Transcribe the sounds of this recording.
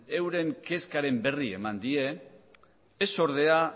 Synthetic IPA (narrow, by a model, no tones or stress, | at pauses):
e̞wɾe̞ŋke̞skaɾe̞mbe̞rie̞̰mand̪ie̞ | so̞ɾð̞e̞a